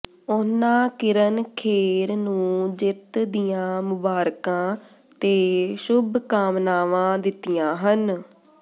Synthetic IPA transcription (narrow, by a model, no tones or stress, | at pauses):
ʊnãːkɪɾənkʰeːɾnũːd͡ʒɪt̪d̪ijãːmʊbaːɾkãː | t̪eːʃʊbʱkaːmnaːʋãːd̪ɪt̪ːijãːɦən